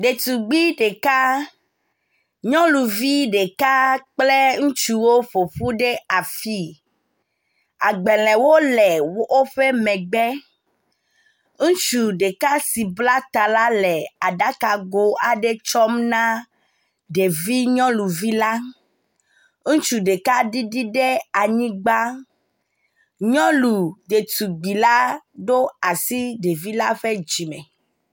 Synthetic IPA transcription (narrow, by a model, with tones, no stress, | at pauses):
ɖe˨t̪u˨ɡ͡bi˦ɖe˨ka˦ | ɲɔ̃˦lu˨vi˦ɖe˨ka˦k͡ple˦ŋũ˦t͡ʃu˦wo˦ɸo˨ɸu˦ɖe˦a˨fi˦ | a˨ɡ͡bɛ˨lɛ̃˨wo˦lɛ˨wo˦ɸe˦mɛ̃˨ɡ͡bɛ˦ | ŋũ˦t͡ʃu˨ɖe˨ka˦si˨bla˦t̪a˨la˦lɛ˨a˨ɖa˦ka˨ɡo˦a˨ɖe˦t͡ʃɔ˦mnã˦ | ɖe˨vi˦ɲɔ̃˦lu˨vi˦la˦ | ŋũ˦t͡ʃu˨ɖe˨ka˦ɖi˦ɖi˦ɖɛ˦a˨ɲĩ˦ɡ͡ba˦ | ɲɔ̃˦lu˨d̪e˨t̪u˨ɡ͡bi˨la˦ɖo˦a˨si˦ɖe˨vi˦la˦ɸe˦d͡ʒi˨mɛ̰̃˨